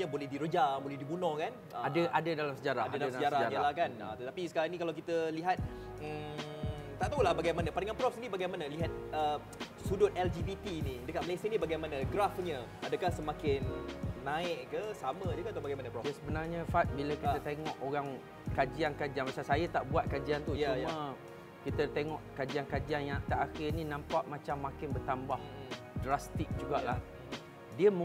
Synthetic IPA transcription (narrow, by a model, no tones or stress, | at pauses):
ɲabolɛhdiɾəd͡ʒabolɛhdibunɔhkanʔə̰adəʔadadalamsəd͡ʒaɾaadadalasəd͡ʒaɾaaɾəlahkanə̰t̪ət̪apisə̥kaɾaŋnikalawk̬it̪əliɦat̪̚ | əmt̪aʔt̪aulahbaɡajmanapadaŋanpɾɔfsinibaɡajmanaliɦat̪̚ə | sudʊt̪ɛld͡ʒibit̪inidəkat̪̚məlesəinibaɡajmanaɡɾafɲəadəkahsəmãkɪnːãɪʔkəsamə̃d͡ʒəkat̪abaɡajmanaɾɔjasəbənarɲafat̪̚bilakit̪ət̪eŋɔ̃ʔoɾaŋ | kad͡ʒiankad͡ʒianmasasajat̪aʔbuat̪̚kad͡ʒiant̪ujt͡ʃujmə̃ | kit̪ət̪eŋɔʔkad͡ʒiankad͡ʒianjaŋt̪aʔaxɪrnĩnãmpaʔmãt͡ʃamːakɪnbərt̪ambah | drast̪ɪk̚d͡ʒuɡaʔlah | diəmə